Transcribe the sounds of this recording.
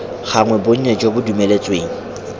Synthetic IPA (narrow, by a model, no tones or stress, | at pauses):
ɣʰaŋwɛboɲ̩ɲed͡ʒobʊdumelet͡sʼweːŋ̩